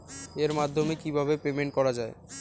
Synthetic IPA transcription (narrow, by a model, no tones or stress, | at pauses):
eɾmad̪ʱːomekibʱabepemeɳʈ̚kɔɾad͡ʑae